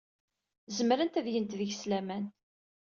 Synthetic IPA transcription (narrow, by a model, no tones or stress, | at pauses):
zəmɾənt̪æðjənt̪ðəʝslæmæn